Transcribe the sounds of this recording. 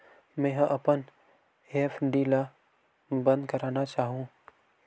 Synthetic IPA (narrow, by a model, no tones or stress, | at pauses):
mɛ̃ːɦɐ̃ʔɐpən | eːpʰɖiːla | bə̃nd̪kɐɾaːnat͡ʃaːɦũː